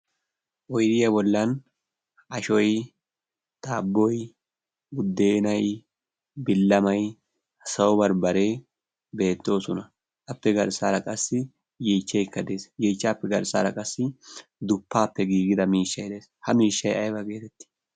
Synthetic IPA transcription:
ʔɔjd̪ɪjɐbɔlːɐn | ʔɐʃɔj | t̪aːbːɔj | ɡʊd̪ːe̞ːnɐj | bɪlːɐmɐj | sɐwbɐɾbɐɾe̞ː | be̞ːt̪ːo̞ːsʊnɐ | ʔɐpːɛɡɐɾsaːɾɐkʼɐsːɪ | jiːt͡ʃːɛjkːɐd̪e̞ːsjeːt͡ʃːaːpːɛɡɐɾsa̰ːɾɐkʼɐsːɪd̪ʊpːaːpːɛɡiːɡɪd̪ɐmiːʃːɐjd̪e̞ːshɐmiːʃːɐjɐjbɐɡe̞ːt̪ɛt̪ːɪ̥

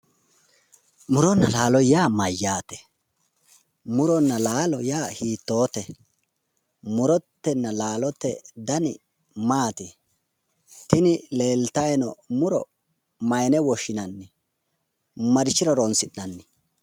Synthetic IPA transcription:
mʊɾɔnːɐlaːlɔjaːmɐjːaːt̪ɛ̥ | mʊɾɔnːɐlaːlɔjaːhiːt̪ːo̞ːt̪ɛ | mʊɾɔt̪ːɛnːɐlaːlɔt̪ːɛd̪ɐnɪ | maːt̪ɪ | t̪ɪnɪle̞ːlt̪ɐjɛnɔmʊɾɔ̰ | mɐjnɛwɔʃɪnɐnːɪ | mɐɾɪt͡ʃːɪɾɔɾɔnsɪnːɐnːɪ

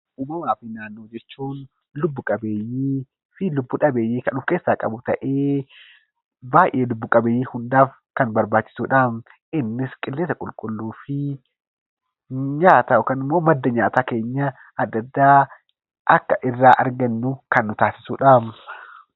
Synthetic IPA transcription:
ʔʊːmɐmaːfɪnaːnːo̞ːd͡ʒɛt͡ʃːuːn | lʊbːʊkʼɐbe̞ːjːeː | fɪlʊbːʊᶑɐbe̞ːjːeːkɐnuːfke̞ːsːaːkʼɐbʊt̪ɐʔeː | baːjʔe̞ːlʊbːʊkʼɐbeːjːiːhʊnd̪aːf | kɐnbɐɾbaːt͡ʃːɪ̥suːᶑɐm | ɪnːɪskʼɪlːeːsɐkʼʊlkʼʊlːuːfɪ | ɲaːt̪ɐʔɔkɐnɪmːo̞ːmɐd̪ːɐɲaːt̪aːke̞ːɲːɐ | ɐd̪ːɐd̪ːaː | ʔɐkːɐʔɪrːaːʔɐɾɡɐnːʊkɐnːʊt̪aːsɪ̥suːᶑam

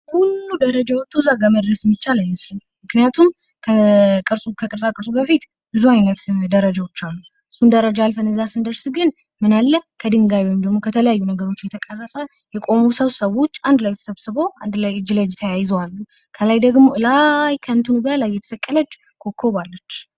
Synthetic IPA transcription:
hulːud̪əɾəd͡ʒawɔt̪ːuzaɡaməd̪ɾəsmːit͡ʃːalənːəsin | mɨknijat̪ʰum | kʰəkʼɨɾsʼukʰəkʼɨɾsʼakʼɨɾsʼubəfit̪ | bɨzuajnət̪d̪əɾəd͡ʒawot͡ʃːalːu | ɨsːund̪əɾəd͡ʒaalfənɨzasɨnd̪əɾsɨɡɨn | mɨnalːəkʰəd̪ɨŋɡajwɔjmd̪əɡmo̞kʰət̪ʰələjajːunəɡəɾo̞t͡ʃːjɛt̪ʰəkʼərːəsʼə | jɛkʼo̞musəβsəβo̞t͡ʃːand̪lajt̪ʰə̥səβsɨbo̞and̪lajd͡ʒɨləd͡ʒt̪ʰəjajɪzəwalːu | kʰəlajd̪əɡmo̞ʔɨlajkʰənt̪ʰunubəlajːɛt̪ʰə̥səkʼːələd͡ʒ | kʰo̞kʰːoβalːət͡ʃː

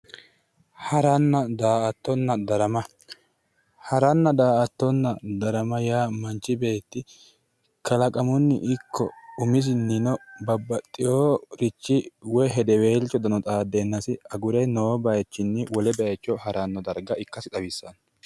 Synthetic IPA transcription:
hɐɾɐnːɐd̪aːʔɐt̪ːɔnːɐd̪ɐɾɐmɐ | hɐɾɐnːɐd̪aːɐt̪ːɔnːɐd̪ɐɾɐmɐjaːmɐnt͡ʃːɪbe̞ːt̪ːɪ | kɐlɐkʼɐmʊnːɪ̰ʔɪkʰːɔʊmɪs̬ɪnːɪnɔbɐbːɐt̪ʼːɪjoːɾɪt͡ʃːɪwɔjɦɛd̪ɛwe̞ːlt͡ʃːɔd̪ɐnɔt̪ʼaːd̪ːenːɐsɪɐɡʊɾɐjnoːbɐjɛt͡ʃːɪnːɪwɔlɛbɛɐt͡ʃːɔhɐɾɐnːɔd̪ɐɾɡɐɪkːɐsɪt̪ɐbɪsːɐn

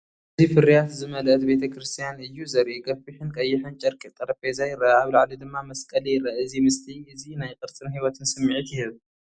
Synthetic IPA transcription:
ʔɨzifɨɾijat̪zɨmɐlʔɐt̪be̞t̪ʰɐkɾɨst̪ʰijanɨjːuzɐɾʔiɡɐfiħɨnkʼɐjːɪħɨnt͡ʃʼɐɾkʼit̪ʼɐɾɐfʼezajɪɾɐaβlaʕlid̪ɨmːamɐskʼɐlijɪɾaɨzimɨst̪ʰiʔɨzinajkʼɨɾt͡sʼɨnhiwɐt̪ʰɨnsɨmːɨʕit̪jɪhɨβ

